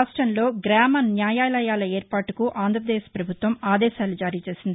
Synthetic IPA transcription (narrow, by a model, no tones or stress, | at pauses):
aːʂʈɾɐnlo̞ːɡɾaːmɐnjaːjaːlɐjaːlɐeːɾpaːʈukuʔaːnd̪ɾɐpɐd̪eːspɾɐbʱut̪ʋɐmaːd̪ɛːʃaːlud͡ʒaːɾiːt͡ʃe̞ːsind̪i